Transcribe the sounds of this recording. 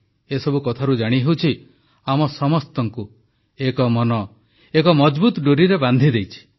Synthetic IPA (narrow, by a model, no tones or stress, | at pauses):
esɔbukɔt̪ʰaɾud͡ʒaɽ̃iɦewt͡ʃʰi | amɔsɔmɔst̪ɔŋku | ekɔmɔnɔ | ekɔmɔd͡ʒbut̪ɖuɾiɾeband̪ʱid̪ejt͡ʃʰi̥